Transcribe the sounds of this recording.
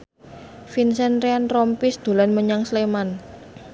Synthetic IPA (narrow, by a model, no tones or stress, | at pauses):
finsɛnɾeanrɔmpisd̪̥o̤lanməɲaŋsleman